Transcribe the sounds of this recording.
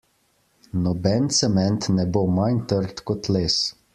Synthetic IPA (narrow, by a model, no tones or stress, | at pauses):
nɔbɛnt̪sɛmɛnt̪nɛbomant̪əɾt̪kɔt̪leːs